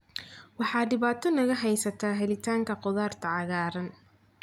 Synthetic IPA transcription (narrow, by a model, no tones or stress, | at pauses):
wɑħɑːɖɪβaːt̪ʰɔnɐɣɐɦɛjsɐt̪ʰaːɦɛlɪt̪ʰaːŋkʰɐqɔðaːrt̪ʰɐʕɑɣaːɾɐn